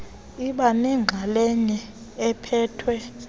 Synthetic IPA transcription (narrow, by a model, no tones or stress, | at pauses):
iɓanɛŋ͡ǁʱalɛɲɛ | ɛpʰɛːtʰwɛ